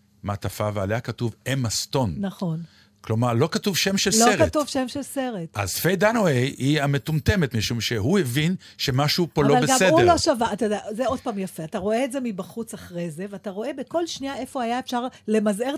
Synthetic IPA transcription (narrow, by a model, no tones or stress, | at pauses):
mat̪afavealeakatuvemast̪o̞nnaχo̞n | klo̞maʁlo̞katuvʃemʃelsloeʁat̪uvʃemʃelse̞ʁet̪a̰zfejd̪anoejiame̞t̪umt̪emet̪miʃumʃeɦuevin | ʃe̞maʃupollovaleɡsamedueloʃavaatajod̪ejazeo̞d̥̪paːmjafe̞ataʁo̞eːtze̞mibaχut͡saχʁejze̞veataʁo̞e̞beko̞lʃniae̞fo̞hajaefʃaʁle̞mazeʁ